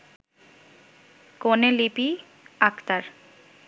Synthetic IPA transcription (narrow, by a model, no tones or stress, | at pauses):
konelipi | akt̪aɾ